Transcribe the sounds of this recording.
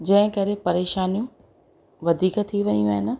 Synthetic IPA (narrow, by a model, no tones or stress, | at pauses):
d͡ʑɐ̃ɦɪ̃kɐɾepɐɾeːʃaːnijũ | ʋɐd̪ʱiːkt̪ʰiʋɐijũaːɦɪnɪ̆